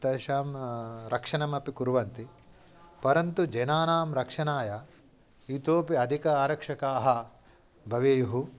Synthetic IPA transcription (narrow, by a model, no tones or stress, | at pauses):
t̪ɐʃaːmɾʔɐkʂɐnɐmɐpikuɾʋɐnt̪i | pɐɾɐnt̪ud͡ʒɐjnaːnaːmɾɐkʂɐnaːjɐ | it̪oːpiɐd̪ʱikɐaːɾɐkʂɐkaːɦɐ | bʱɐʋeːjuɦu